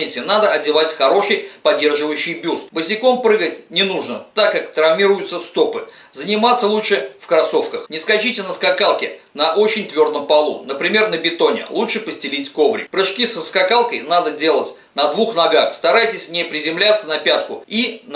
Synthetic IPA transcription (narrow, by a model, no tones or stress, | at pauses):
ɪsʲɪnad̪əɐdʲɪvatʲxɐɾo̞ʂɨjpɐdʲːe̞rʐɨvəjʉɕːɪjbʲust̪bəsʲɪko̞mpɾɨɡətʲnʲɪnuʐnət̪akːakt̪ɾɐvmʲiɾʊjʊt̪səst̪o̞pɨ | zənʲɪmat̪sːəlˠutʂɨfkɾɐso̞fkəxnʲɪskɐt͡ɕitʲɪnəskɐkalˠkʲɪ | nɐʔo̞t͡ɕɪnʲt̪vʲo̞rd̪əmpɐlˠṵnəpɾʲɪmʲe̞rnəbʲɪt̪o̞nʲɪ̰lˠutʂɨpəsʲtʲɪlʲitʲko̞vɾʲɪ̰pɾɨʂkʲisəskɐkalˠkəjnad̪ədʲe̞lˠətʲ | nɐd̪vuxnɐɡaxst̪ɐɾajtʲɪsʲnʲɪpɾʲɪzʲɪmlʲat̪sənɐpʲat̪̚kʊin